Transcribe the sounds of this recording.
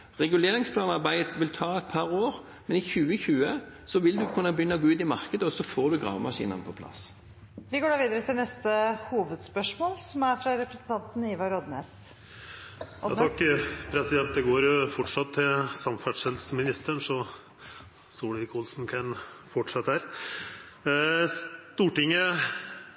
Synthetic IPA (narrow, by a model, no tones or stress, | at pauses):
ʁɛɡʉleːʁɪŋspʰlɑːnɑʁbæɪt̪ʋɪlt̪ʰɑːɛt̪̚pʰɑʁoːʁ | mɛnɪçʉːəçʉːə | sɔʋɪld̪ʉkʰʉnːəbəjʏnːəɡoʉːt̪ɪmɑʁkəd̪əɔsɔfoːʁd̪ʉɡʁɑ̰ːʋmɑʂḭːnə̰nəpʰɔpʰlɑ̰s | ʋɪɡoːɖɑːʋiːd̪əɾət̪ʰɪlnɛst̪əhuːʋəd̪spœʂmoːlsɔmæɾfɾɑɾɛpɾɛsən̩t̪ʰɑnt̪n̩iːʋɑɾɔd̪neːs | ɑ̰t̪ɑkːpʰɾɛsɪd̪ɛnt̪̚d̪ɛɡoːɾfɔʈʂɑt̪ʰːɪlsɑmfæɖʂhɛlsmɪnɪst̪əɳʂɔ | soːlɪɪkʰulsn̩kʰɑn | fɔʈʂɛt̪ːəhæːɾ | st̪uːʈɪŋːə